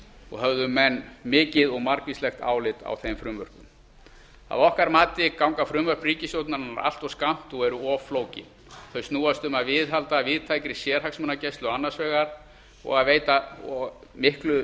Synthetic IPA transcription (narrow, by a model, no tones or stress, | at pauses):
ɔ̰ɣɦœvðʏmːɛnːmɪːcɪðɔɣmaɾkvislɛxt̪a̰ːwlɪt̪a̰wθejmfɾʏmvœr̥kʏm | a̰ðɔhkaɾmaːt̪ɪkawŋkafɾʏmvœr̥priːcɪsjowt̪naɾnaɾa̰l̥t̪ɔskam̥t̪ɔɛɾʏɔfloːwcɪ̰n | θœɥst̪nuːast̪ʏmaðvɪðɦalt̪aːvɪðt̪ʰajkɾɪsjɛːɾ̥haksmʏnacɛst̪lʏɔanːasvɛːɣaɾ̥ | ɔ̰ɣaðveːjt̪a | mɪhklʏ